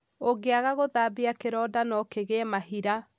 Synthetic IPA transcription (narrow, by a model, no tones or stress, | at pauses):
oɡeaɣaɣoðabiakeɾɔdanɔkeɣemaɦiɾa